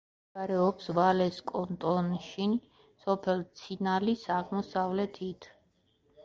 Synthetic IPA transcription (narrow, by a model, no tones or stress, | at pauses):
ɡaɾɛɔpsvalɛskʼɔnt̪ʼɔnʃin | sɔpʰɛlt̪sʰinalisaʁmɔsavlɛt̪ʰit̪ʰ